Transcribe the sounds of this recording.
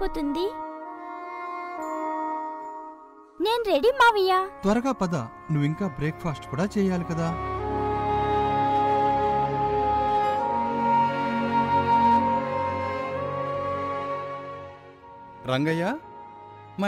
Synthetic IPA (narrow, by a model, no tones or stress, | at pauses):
pːut̪und̪i | neːnɾeɖimaːʋijaːt̪ʋɐɾɐɡaːpɐd̪ɐ | nuʋiŋkaːbɾeːk̚pʰaːsʈkuːɽaːt͡ʃɛːjaːlikɐd̪aː | ɾɐŋɡɐjaː | mɐ